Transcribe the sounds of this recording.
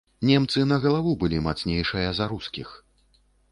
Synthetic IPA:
nʲɛmt̪sɨnɐɣɐlˠavubɨlʲimat̪snʲejʂɨjɐzaɾuskʲix

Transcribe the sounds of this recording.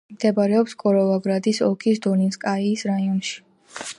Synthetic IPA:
md̪̥ɛbaɾɛɔpskʼɔɾɔlˠaɡɾad̪isɔkʰisd̪ɔninskʼaiːsɾaiɔnʃi̥

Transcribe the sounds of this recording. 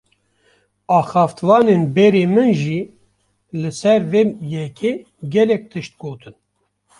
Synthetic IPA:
ɑːxɑːft̪vɑːnenbɛɾeːmɨnʒi | lɨsɛɾveːjɛkʲʰeː | ɡʲɛlɛk̚t̪ʰɨʃt̪̚ɡoːt̪ʰɨn

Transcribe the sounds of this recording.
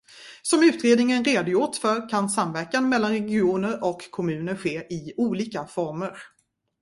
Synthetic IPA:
sɔmʉ̟ːt̪ɾeːd̪nɪŋənɾeːd̪ʊjʊʈfœɾkʰansamvæɾkanmɛlːanɾɛɡɪuːnəɾɔkʰːɔmʉ̟ːnəɾɧeːʔɪuːliːkafɔɾməɾ

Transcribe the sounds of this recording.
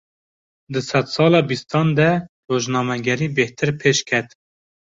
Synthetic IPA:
d̪ɨsɛt̪sɑːlɑːbist̪ɑːnd̪ɛroːʒnɑːmɛɡɛɾiːbeht̪ʰɨɾpʰeːʃkʲʰɛt̪

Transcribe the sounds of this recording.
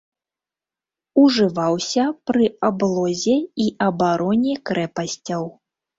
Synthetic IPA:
uʐɨvawsʲɐpɾɨablˠɔzʲɛiʔɐbaɾɔnʲɛkɾɛpɐsʲt͡sʲɐw

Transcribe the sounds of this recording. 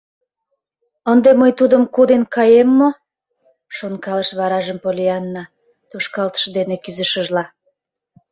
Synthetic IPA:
ənd̪eməjt̪ud̪əmkod̪enkɑjemːo | ʃonkɑləʃβɑɾɑʒəmpolʲiɑnːɑ | t̪oʃkɑlt̪ə̥ʃd̪enekyzəʃəʒlɑ

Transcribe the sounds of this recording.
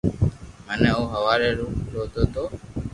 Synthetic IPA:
mənɛːũːɦəʋaːɾeːɾuːkloːd̪oːt̪oː

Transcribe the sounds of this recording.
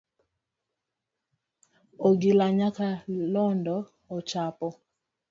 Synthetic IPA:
oɡilaɲakalɔndɔ | ot͡ʃapɔ

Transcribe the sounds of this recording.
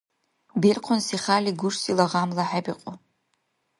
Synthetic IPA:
berqʷʰʊnsiχaːliɡʷʊʂsʼilaʁamlaħabiqʼʊ

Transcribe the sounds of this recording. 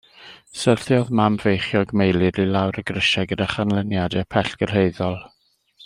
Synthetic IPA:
sərθjɔðmamvejχjɔɡmejlˠɨɾilˠawɾəɡrəʃɛɡədaχanlˠənjadɛpʰɛɬɡ̥ər̥ɦeɨðɔlˠ

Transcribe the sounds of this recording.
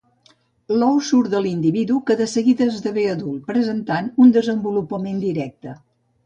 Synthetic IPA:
lɔwsuɾðəlind̪iβiðukəðəsəɣiðəːzðəβeəðul̚ˠpɾəzənt̪anund̪əzəmbulupəmend̪iɾɛk̚t̪ə

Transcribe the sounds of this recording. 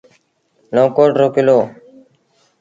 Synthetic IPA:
lõːkoːʈɾoːkɪloː

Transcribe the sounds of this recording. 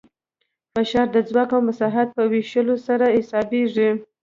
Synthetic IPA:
faʃɑɾd̪əd͡zwɑkawmasɑɦat̪̚pəwiʃəlosaɾaɪsɑbeʐi

